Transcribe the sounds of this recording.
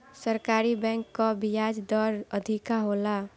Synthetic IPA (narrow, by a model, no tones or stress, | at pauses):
səɾkaɾibɛ̃ŋkːɔbijad͡ʒd̪ɔɾəd̪ʱikaɦola